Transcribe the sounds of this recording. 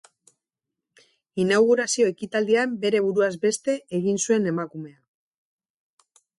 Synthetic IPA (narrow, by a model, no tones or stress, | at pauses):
inawɣuɾasio̞e̞kit̪ald̪iambe̞ɾe̞β̞uɾuazbe̞st̪e̞eɣinsue̞ne̞makume̞a